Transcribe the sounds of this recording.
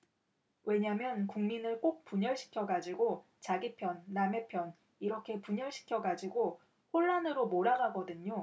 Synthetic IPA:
we̞ɲamjʌnkuŋminɯɭk͈ok̚p͈uɲʌɭɕʰi̥kʰjʌɡad͡ʑiɡo | t͡ɕaɡipʰjʌnːame̞pʰjʌn | iɾʌkʰe̞puɲʌɭɕʰi̥kʰjʌɡad͡ʑiɡo | ɸoɭːanɯɾomoɾaɡaɡʌdɯɲo

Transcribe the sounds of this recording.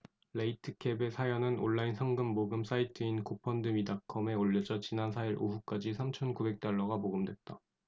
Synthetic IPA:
leitʰɯkʰe̞be̞sʰajʌnɯno̰ɭːainsʰʌŋɡɯmːoɡɯms͈aitʰɯinkopʰʌndɯmidakʰʌme̞oʎːʌd͡ʑʌt͡ɕinansʰaiɾʔoɦuk͈ad͡ʑisʰamt͡ɕʰʌnkube̞k̚t͈aɭːʌɡamoɡɯmdwe̞t̚t͈a

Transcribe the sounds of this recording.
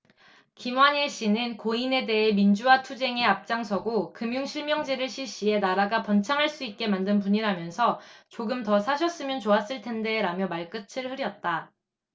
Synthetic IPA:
kimwaɲiɕ͈inɯnkoine̞de̞ɦemind͡ʑuwatʰud͡ʑe̞ŋe̞ap̚t͡ɕ͈aŋsʰʌɡokɯmjuŋɕʰiɭmjʌŋd͡ʑeɾɯɭɕʰiɕ͈ie̞naɾaɡapʌnt͡ɕʰaŋɦaɭs͈uit̚k͈e̞mandɯnp̬uɲiɾamjʌnsʰʌt͡ɕoɡɯmtʌsʰaɕ̬ʰʌs͈ɯmjʌnt͡ɕoas͈ɯɭtʰe̞nde̞ɾamjʌmaɭk͈ɯt͡ɕʰɯɭhɯɾjʌt̚t͈a

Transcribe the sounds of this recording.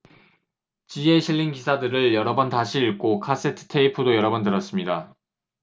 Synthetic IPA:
t͡ɕie̞ɕʰiʎːiŋkisʰadɯɾɯɭjʌɾʌbʌntaɕʰiiɭk͈okʰas͈e̞tʰɯ̥tʰe̞ipʰudojʌɾʌbʌntɯɾʌs͈ɯmɲida

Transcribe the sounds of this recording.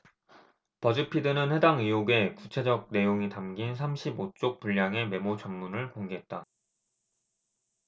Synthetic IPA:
pʌd͡ʑɯpʰidɯnɯnhe̞daŋijoɡe̞kut͡ɕʰe̞d͡ʑʌɡ̚ne̞joŋitamɡins̬ʰamɕʰibot͡ɕ͈ok̚puʎːaŋe̞me̞mot͡ɕʌmːunɯɭkoŋɡeɦe̞t̚t͈a

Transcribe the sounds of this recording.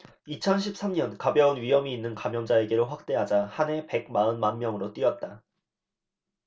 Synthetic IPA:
it͡ɕʰʌnɕʰip̚s͈ʰamɲʌnkabjʌunɥiɦʌmiːnːɯnkamjʌŋd͡ʑae̞ɡe̞ɾɯɭɸwak̚t͈e̞ɦad͡ʑahane̞pe̞ɡ̚maɯnmanmjʌŋɯɾot͈ɥiʌt̚t͈a

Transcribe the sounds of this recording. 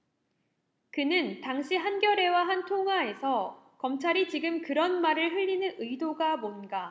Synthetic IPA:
kɯnɯntaŋɕ͈ʰiɦanɡjʌɾe̞waɦantʰoŋɦwae̞sʰʌ | kʌmt͡ɕʰaɾit͡ɕiɡɯmkɯɾʌnmaɾɯɭɸɯʎːinɯnɯidoɡamonɡa

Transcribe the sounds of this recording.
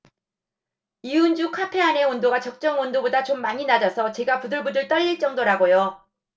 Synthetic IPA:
iund͡ʑukʰapʰe̞ane̞ʌndoɡat͡ɕʌk̚t͡ɕ͈ʌŋʌndobodat͡ɕomːaɲinad͡ʑasʰʌt͡ɕe̞ɡapudɯɭbudɯɭt͈ʌɾiɭt͡ɕ͈ʌŋdoɾaɡojo

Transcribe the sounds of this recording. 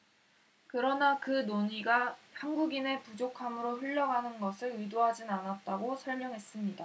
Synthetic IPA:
kɯɾʌnakɯnoɲiɡahanɡuɡine̞pud͡ʑokʰamɯɾoɸɯʎːʌɡanɯnɡʌsʰɯɾɯidoɦad͡ʑinanat̚t͈aɡosʰʌɭmjʌŋɦe̞s͈ɯmɲida

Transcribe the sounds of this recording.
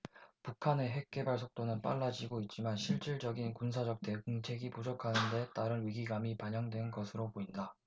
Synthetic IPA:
pukʰane̞ɦe̞k̚k͈e̞baɭsʰok̚t͈onɯnp͈a̰ɭːad͡ʑiɡoit̚t͡ɕ͈imanɕʰiɭt͡ɕ͈iɭd͡ʑʌɡinkunsʰad͡ʑʌk̚t͈e̞ɡɯŋt͡ɕʰe̞ɡipud͡ʑokʰanɯnde̞t͈aɾɯnɥiɡiɡamipaɲʌŋdwe̞nɡʌsʰɯɾopoinda

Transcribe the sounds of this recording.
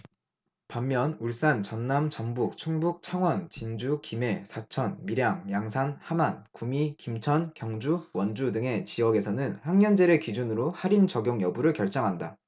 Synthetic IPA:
pamːjʌnuɭs͈ant͡ɕʌnːamt͡ɕʌŋbuk̚t͡ɕʰuŋbuk̚t͡ɕʰaŋwʌnt͡ɕind͡ʑukime̞sʰat͡ɕʰʌnmiɾjaŋjaŋsʰanhamankumikimt͡ɕʰʌnkjʌŋd͡ʑuwʌnd͡ʑudɯŋe̞t͡ɕiʌɡe̞sʰʌnɯnhaŋɲʌnd͡ʑe̞ɾekid͡ʑunɯɾohaɾint͡ɕʌɡjoŋjʌbuɾɯɭkjʌɭt͡ɕ͈ʌŋɦanda

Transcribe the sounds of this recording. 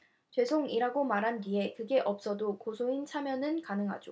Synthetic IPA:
t͡ɕwe̞sʰoŋiɾaɡomaɾɦandie̞kɯɡe̞ʔʌp̚s͈ʌdokosʰoint͡ɕʰamjʌnɯnkanɯŋɦa̰d͡ʑo

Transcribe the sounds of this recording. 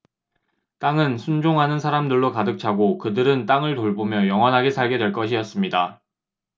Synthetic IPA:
t͈aŋɯnsʰund͡ʑoŋɦanɯnsʰaɾamdɯɭːokadɯk̚t͡ɕʰaɡokɯdɯɾɯnt͈aŋɯɭtoɭbomjʌjʌŋɦʌnɦaɡe̞sʰaɭɡe̞dwe̞ɭk͈ʌɕʰijʌs͈ɯmɲida

